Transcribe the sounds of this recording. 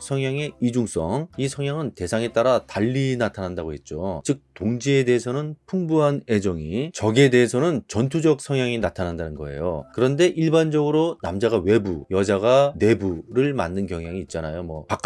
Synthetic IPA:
sʰʌŋjaŋe̞id͡ʑuŋs͈ʌ̰ŋisʰʌŋjaŋɯnte̞sʰaŋe̞t͈aɾataʎːinatʰanɦandaɡoɦe̞t̚t͡ɕ͈ot͡ɕɯk̚toŋd͡ʑie̞de̞ɦesʰʌnɯnpʰuŋbuɦane̞d͡ʑʌŋit͡ɕʌɡiede̞ɦesʰʌnɯnt͡ɕʌntʰud͡ʑʌk̚sʰʌŋjaŋinatʰanɦandanɯnɡʌe̞̰jo̰kɯɾʌnde̞ʔiɭband͡ʑʌɡɯɾonamd͡ʑaɡawe̞bujʌd͡ʑaɡane̞buɾɯɭma̰nːɯnkjʌŋjaŋiːt̚t͡ɕ͈anajomwʌpak͈

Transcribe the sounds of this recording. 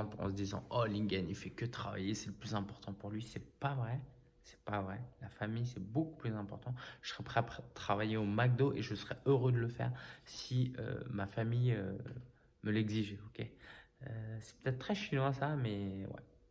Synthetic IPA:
ɑ̃pɑ̰̃səd̪izɑ̰̃ɔlĩɡanilfɛkət̪χava̰jesɛləplyzɛ̃pɔʁt̪ɑ̃puʁlɥisɛpavʁɛ | sɛ̥pavʁɛlafamijsɛboku̥plyzɛ̃pɔʁt̪ɑ̃ʒəsəʁɛpχɛapt̪χavajeomaɡ̚d̪oʔeʒəsəʁɛøʁød̪ələfɛ̰ːʁsiø̰mafamijø | məlɛɡziʒokʲeøsɛ̥pə̥t̪ɛt̪̚t̪ːχɛʃinɑ̃asamɛwɛ̰

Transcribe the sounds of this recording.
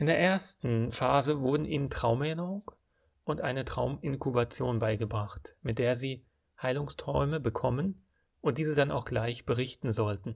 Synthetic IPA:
ʔɪndeːɐʔeːɐstn̩faːzəvʊɐdn̩ʔiːnəntʁ̥aʊmɛnəʁʊŋk | ʔʊntʔaɪnətʁ̥aʊmɪnkubat͡sjoːnbaɪɡəbʁaχtmɪt̚d̥eːɐziː | haɪlʊŋstʁ̥ɔʏməbəkʰɔmən | ʔʊntd̥iːzədanʔa̰ʊxɡ̥laɪçb̥əʁɪçtn̩zɔltn̩

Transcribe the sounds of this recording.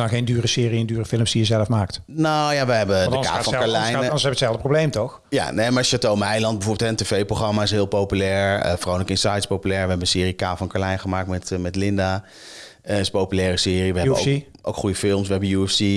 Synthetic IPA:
axejndyːrəsɪːriɛndyːrəfɪlˠəmsdijəzɛləfmaːkt | nojaʋəɦɛbədəka̰ːfɑkalɛjnnsɛbətsɛlˠdəprowblejmtɔx | ja̰nejmaʃatowmɛjlɑnd̚bəvʊːbɪtɦɛəntevejprowχrɑmaɪs̬ɦɪːlˠpowpylɛːɹə̰frownləkɪnsɑjtspowpylɛːɹʋəɦɛbənsɪːrikaːfɑnkaːlɛjnəχəmaːk̚tmɛtmɛtlɪnda | ɪsəpowpylɛːrəsɪːriʋəɦɛo | ʔo̰wkχujəfɪlˠmsʋəɦɛbəjuɛfsi

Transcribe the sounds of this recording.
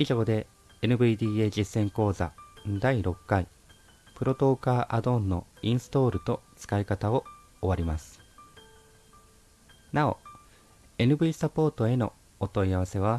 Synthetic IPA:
iʑo̞ːd̪e̞ | enɯ̟bɯ̟id̪ʲiːe̞ʑisːẽ̞ŋko̞ːza̰d̪aiɾo̞kːai | pɯ̟ɾo̞t̪o̞ːkaːʔad̪õ̞nːo̞ĩɰ̃sɨ̥t̪o̞ːɾɯ̟t̪o̞t͡sɨ̥kaikat̪ao̞ | oβaɾʲimasɨ̥ | nao̞̰ | e̞nɯ̟bɯ̟iːsapo̞ːt̪o̞e̞no̞̰ | ot̪o̞iaβ̞ase̞β̞a

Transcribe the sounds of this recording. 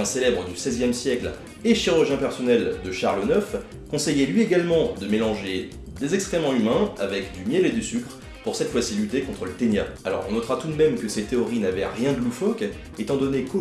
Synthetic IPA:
ɛ̃selɛbʁəd̪ysɛzjɛmsjɛkl | eʃiʁyʁʒjɛ̃pɛʁsɔnɛld̪əʃaʁlnœf | kɔ̃sɛjɛlɥieɡalmɑ̃d̪əmelɑ̃ʒe | d̪ezɛkst̪χɛmɑ̃ymɛ̃a̰vɛkd̪ymjɛled̪ysykχ | puʁsɛt̪fwasilyt̪ekɔ̃t̪χələt̪eɲjaalɔ̰ʁɔ̃nɔt̪χat̪ud̪mɛmkəsɛt̪eɔʁinavɛʁjɛ̃ɡlufɔk | et̪ɑ̃d̪ɔneko

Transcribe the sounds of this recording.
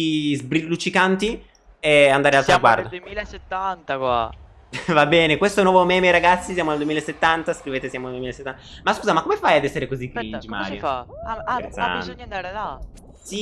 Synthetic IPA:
zbɾilːut͡ʃːikant̪i | ɛand̪aːɾealt̪ɾaɡwa̰rd̪od̪milset̪ːant̪akwa | vabɛːnekwest̪oɛnwɔvomɛːmeɾaɡat̪sːisjamoald̪wemilaesːet̪ːant̪askɾiveːt̪esjamoald̪wemileset̪ːanmaskuːzamakːomefajad̪ɛsːeɾekozikːind͡ʒima̰ɾjoaɾet̪sːa̰nɲand̪aːɾela | si

